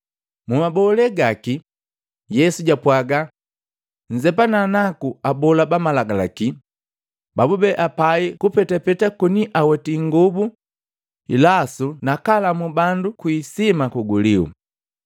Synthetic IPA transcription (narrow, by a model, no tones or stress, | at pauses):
mumabɔlɛɡaki | jɛsuɟapwaɡa | ɲ̩d͡ʒɛpananakuabɔlabamalaɡala̰ki | babubɛʔapaikupɛtapɛtakuniʔawɛtiŋɡubu | ḭlasunakalamubandukwisimakuɡuliṵ